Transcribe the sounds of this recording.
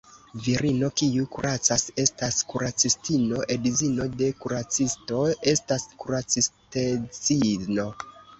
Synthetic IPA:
viɾino̞kiukuɾʔat͡sase̞staskuɾat͡sistino̞ʔe̞dizino̞de̞kuɾat͡sisto̞e̞staskuɾat͡sistet͡sino̞

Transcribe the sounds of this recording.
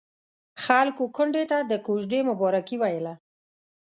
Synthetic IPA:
xalkokʊɳɖet̪ad̪əkoʒɖemʊbɑɾakiwajəla

